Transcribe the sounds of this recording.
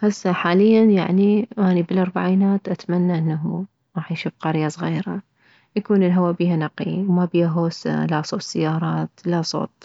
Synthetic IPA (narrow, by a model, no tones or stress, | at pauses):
hasːaħaːlɪjːanjaʕniʔaːnibɪlʔɑɾˤbaʕiːnaːt̪ʔat̪manːaʔɪnːaɦu | ɾˤɑːħjʃʊfqɑɾjasˤɣiːɾa̰ | jakuːnɪlɦawabiːhanɑqiwmabiːhaɦoːsa̰lasˤoːt̪sɪjːɑːɾˤɑːt̪lasˤo̰ːt̪̚ˤ